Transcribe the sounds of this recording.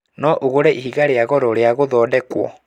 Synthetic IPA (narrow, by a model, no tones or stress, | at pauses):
nɔʔoɣoɾɛʔihiɣaɾeaɣɔɾɔɾeaɣoðɔːdɛkwɔ̰